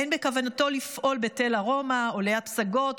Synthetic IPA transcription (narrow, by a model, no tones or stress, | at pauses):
enbe̞kavanato̞lifʔo̞lbetelaʁo̞maolejat̚psaɡo̞t